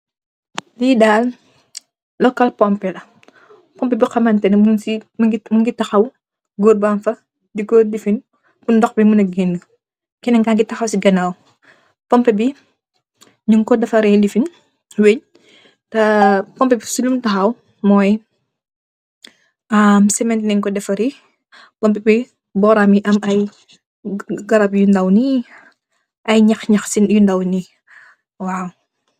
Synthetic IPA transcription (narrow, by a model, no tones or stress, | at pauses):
didaːl | lɔkɐlpɔmpɛlɐ | pɔmpɛbixɐmɐntɛnɐmusimɡmuŋɡitɐxɐw | ɡoːrbanfɐ | diɡoːrdifin | kundɔk̚bimunɐɡenːu | kɛnɐŋkaːŋɡitɐxɐwsiɡɐnaːw | pɔmpɛbi | ɲuŋkɔdɐfɐɾɛjdifin | weɲ | tɐpɔmpɛbisilumtɐxɐw | mɔːj | amsɛmɛntnɛŋkɔdɐfɐɾi | pɔmpɛbi | bɔɾamiʔɐmɐj | ɡɐɾɐpjundɐwni | ʔɐjɲɐxɲɐxsinjundɐwni | waːw